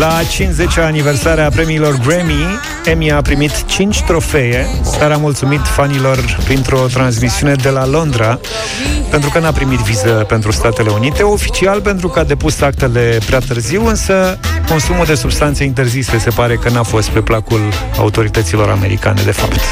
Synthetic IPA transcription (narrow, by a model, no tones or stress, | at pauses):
lat͡ʃinze̞t͡ʃaːniversaɾeapɾe̞miːlo̞rɡɾemi | emiapɾimit̪t͡ʃint͡ʃʲt̪ɾo̞fe̞est̪aɾamult̪sumit̪fanilo̞rpɾint̪ɾo̞t̪ɾans̬misiune̞d̪e̞lalo̞nd̪ɾa | pent̪ɾukənapɾimit̪vizəpe̞nt̪ɾust̪at̪e̞le̞unit̪e̞o̞fi̥t͡ʃialpe̞nt̪ɾukəad̪e̞pusak̚t̪e̞le̞pɾeat̪ɨrziwɨnsəko̞nsumuld̪e̞subst̪ant̪seint̪̬e̞rzisese̞paɾe̞kənafo̞st̪̚pe̞plakul | a̰ut̪o̞ɾit̪ət̪silo̞ɾa̰me̞ɾḭka̰ne̞̰d̪e̞fa̰pt̪